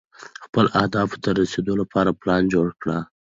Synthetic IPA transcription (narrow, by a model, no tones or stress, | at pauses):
xpəlʔahd̪ɑft̪aɾased̪olapʰɑɾaplɑnd͡ʒoɽkɽa